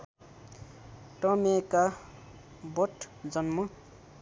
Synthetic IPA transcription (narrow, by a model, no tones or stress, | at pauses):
ʈʌmeka | boʈʰd͡zʌnmʌ